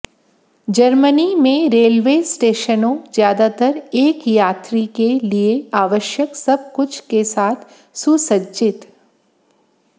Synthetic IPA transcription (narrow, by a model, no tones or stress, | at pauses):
d͡ʒəɾmənimẽɾeːlʋeːsʈeːʃənõzjaːd̪at̪əɾeːkjaːt̪ɾikelieaːʋəʃjəksɐb̚kʊt͡ʃʰkesaːt̪ʰ | sʊsəd͡ʒɪt̪